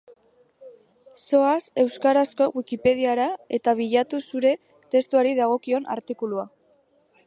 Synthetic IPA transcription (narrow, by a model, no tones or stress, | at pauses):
so̞ase̞wskaɾasko̞ɣwikipe̞ð̞iaɾae̞t̪aβ̞iʎat̪usuɾe̞ | t̪e̞st̪uaɾiðaɣ̞o̞kio̞na̰ɾt̪ikulua